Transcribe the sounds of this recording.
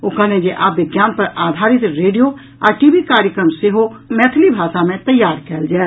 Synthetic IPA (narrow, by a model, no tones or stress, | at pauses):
okaned͡ʒeʔabɪɡjaːnpəɾad̪ʱaɾɪt̪ɾeːɖijo | a̰ːʈibikaɾjəkɾəmseɦomɛːt̪ʰlibʱaːsamẽt̪əjːaːɾkɛːld͡ʒaɛ